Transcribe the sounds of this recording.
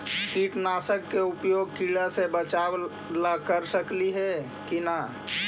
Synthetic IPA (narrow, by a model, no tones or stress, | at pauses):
tiʈnaːsəkːeʊpjoːɡ̚kiɭasebət͡ʃaw | lakəɾsəkliɦɛ | kina